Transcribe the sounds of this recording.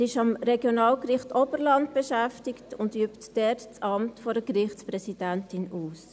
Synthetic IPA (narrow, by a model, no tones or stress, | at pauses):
ɪʃɑmɾɛɡjonɑːlkrɪχtɔb̥əɾlɑntb̥eʃæftɪktʊndyːptd̥ɛtt͡sɑmtfɔdəkɾɪχtt͡spɾɛsid̥æntɪnuːs